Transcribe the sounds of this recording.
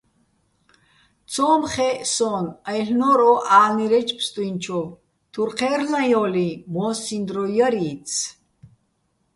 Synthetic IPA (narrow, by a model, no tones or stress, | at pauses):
t͡sʰɔːmχɛsɔnajɬnɔɾɔʔaːniɾɛt͡ʃʰpʰst̪ʼwint͡ʃʰɔv | t̪ʰuɾqʰɛːrnajɔlimɔːsind̪ɾɔjəɾiːt͡sʰ